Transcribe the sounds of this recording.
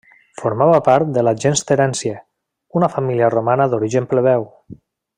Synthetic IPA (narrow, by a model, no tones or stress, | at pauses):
foɾmaβapaɾt̪̚d̪əlaʒenst̪eɾɛnsje | unafamiliaromanəðoɾiʒəmpleβɛw